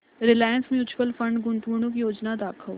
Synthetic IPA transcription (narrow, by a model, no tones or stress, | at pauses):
ɾɪlaːjə̃nsmẽʊt͡ʃʰʋəlfɐ̃ɳɖɡʊ̃nt̪uːɽ̃õk̬ijoːd͡ʒnad̪aːkʰəl